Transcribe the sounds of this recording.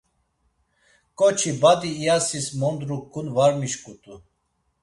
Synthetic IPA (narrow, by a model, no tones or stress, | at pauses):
kʼɔt͡ʃʰibad̪iːjasismɔnd̪ɾukʰːunvaɾmiʃkʼut̪ʼu